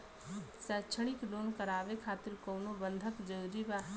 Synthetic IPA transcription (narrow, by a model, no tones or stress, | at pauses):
sɛːt͡ʃʰɽ̃ikɖoːnkəɾaːʋekʰaːt̪ɪɾkoːnobə̃nd̪ʱəkd͡ʒəɾiba